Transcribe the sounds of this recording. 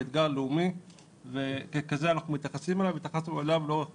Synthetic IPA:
ed̪ɡaʁleumi | vekekazeanaχnumit̪jaχasimelavit̪jaχasnuolavlo̞

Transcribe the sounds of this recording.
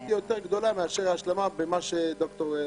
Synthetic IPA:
jot̪eʁɡd̪olameaʃeʁaʃlemabemaʃed̪okt̪o

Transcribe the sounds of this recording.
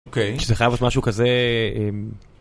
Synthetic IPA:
kejʃzeχajavotmaʃukazeem

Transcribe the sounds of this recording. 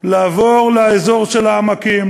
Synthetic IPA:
laːvo̞ʁleaezo̞ʁʃelaːmakim

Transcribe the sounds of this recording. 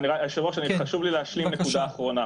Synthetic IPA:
niʁaiaʃiʁoʃaniχaʃuvlileaʃlimnekud̪aːχʁo̞na

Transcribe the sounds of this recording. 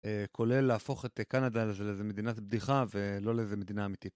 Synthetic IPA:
ekʰo̞le̞lːaːfo̞χe̞t̪kanadalezelezeme̞d̪inatb̚diχave̞lo̞lezemed̪inaːmit̪it

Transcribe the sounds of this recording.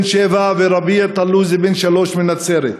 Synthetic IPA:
nʃevaveɾabiat̪aluzebenʃaloʃmenat͡seɾet̪

